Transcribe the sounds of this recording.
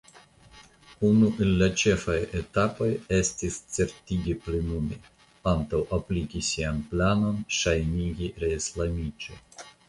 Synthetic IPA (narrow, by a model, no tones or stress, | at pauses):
unuʔe̞lːat͡ʃe̞fajet̪apo̞jestist͡se̞ɾtʲiɡʲiplenumḛ | ant̪awʔaplikʲisianplano̞nʃajniɡʲiɾeislamit͡ʃo̰